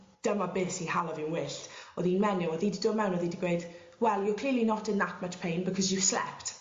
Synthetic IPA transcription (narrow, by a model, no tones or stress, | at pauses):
d̥əmabɪːsihalˠɔvɪwnwɪːɬtɔðinmɛnɪwɔðididomɛwnɔðidiɡweɨd̥ | wɛlˠjɔkʰl̥iːlinɔtənːatʰmatpʰejnbəkʰɔzuv̥slɛ̰pʰt